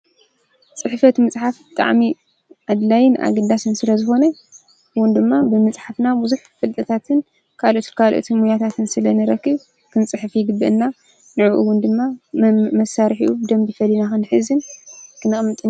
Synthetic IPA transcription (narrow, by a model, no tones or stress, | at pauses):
t͡sʼɨħfɐt̪mɨt͡sʼħafbɨt̪ʼa̰ʕmi | ʕad̪lajɪnʔa̰ɡɐd̪asɨnsɨlɐzɨxo̞nɐ | ʔɨwːʊnd̪ɨmːabɨmɨt͡sʼħafnabuzuħfɨlt̪ʼɐt̪ʰat̪ʰɨn | kʰalot̪kʰalʔo̰t̪ʰimujat̪ʰat̪ʰɨnsɨlɐnɨɾɐkːɨβ | kʰɨnt͡sʼɨħɨfjɪɡɨbːɨʔɨnːa | nɨʕuʔɨwʊnd̪ɨmːamɐsaɾħḭʔud̪ɐmbifɐlːinaxɨnħɨzɨnkɨnɨxʼɨmɨt̪ʼɨn